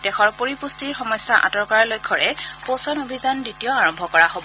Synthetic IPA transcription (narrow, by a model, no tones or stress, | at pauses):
dɛxɔɹpoɹipustiɹxɔmɔjsːaʔa̰tɔɹkaɹalojkʰɔɹɛposɔnobʱizanditijɔaɹɔmbʱɔkɔɹaɦobɔ